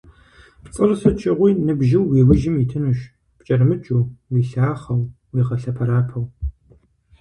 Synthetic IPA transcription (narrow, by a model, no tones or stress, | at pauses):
pt͡sʼɨrsɨt͡ʃʼɪʁʷiːnɨbʒɪwːiːwɨʒɪmitʰɨnuʃ | pt͡ʃʼɐrmɨt͡ʃʼuːwiɬaːχɐw | wiːqɐɬɐpʰɐɾaːpʰɐw